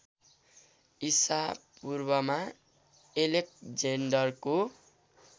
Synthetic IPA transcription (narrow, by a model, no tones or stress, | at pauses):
isapurbʌma | elek̚d͡zeɳɖʌrko